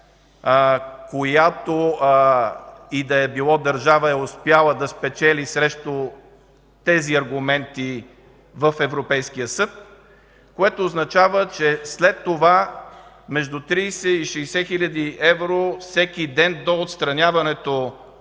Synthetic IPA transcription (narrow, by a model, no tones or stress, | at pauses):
kojat̪o | id̪ɐɛbilˠɔd̪ɐɾʒavəɛospjalˠəd̪ɐspɛt͡ʃɛlisɾɛʃt̪o | t̪ɛziɐɾɡʊmɛnt̪i | vəfɛvɾopɛjskijəsɤt̪̚ | koɛt̪oːznɐt͡ʃavət͡ʃɛslɛt̪ːova | mɛʒd̪ut̪ɾiːjsɛiʃɛjsɛxilʲɐd̪iɛvɾosɛkid̪ɛnd̪oːt̪st̪ɾɐnʲavɐnɛt̪o